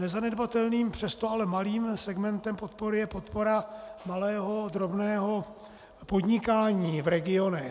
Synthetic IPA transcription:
nɛzanɛdbat̪ɛlniːmpr̝̥ɛst̪oalɛmaliːmsɛɡmɛnt̪ɛmpot̪̚poɾɪjɛpo̞t̪po̞ɾamalɛːɦo̞d̪ɾo̞bnɛːɦo | pod̪ɲɪkaːɲiːvɾɛɡɪo̞nɛ

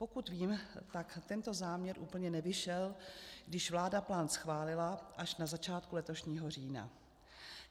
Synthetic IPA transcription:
pokut̪viːmt̪akt̪ɛnt̪o̞zaːmɲɛɾʔuːpl̩ɲɛnɛvɪʃɛlɡdɪʃvlaːdaplaːnsxvaːlɪlaʔaʃnazat͡ʃaːt̪kulɛt̪o̞ʃɲiːɦo̞r̝iːna̰

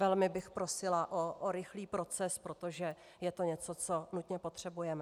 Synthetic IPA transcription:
vɛlmɪbɪxpɾo̞sɪlaʔoʔoɾɪxliːpɾo̞t͡sɛspɾo̞t̪oʒɛ | jɛt̪o̞ɲɛt͡so̞t͡so̞nut̪ɲɛpo̞t̪r̝̥ɛbujɛmɛ

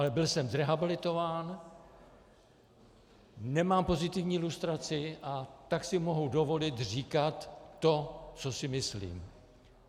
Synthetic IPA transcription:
ʔalɛbɪlsɛmzɾɛɦabɪlɪt̪o̞vaːn | nɛmaːmpo̞zɪt̪ɪvɲiːlust̪ɾat͡sɪʔat̪aksɪmo̞ɦudo̞vo̞lɪt̪riːkat̪ːo̞t͡so̞sɪmɪslḭːm

